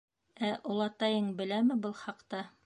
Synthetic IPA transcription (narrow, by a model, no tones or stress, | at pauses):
æʔulˠɑt̪ɑjɤɴbɘ̆læmɘbɤlˠχɑqt̪ɑ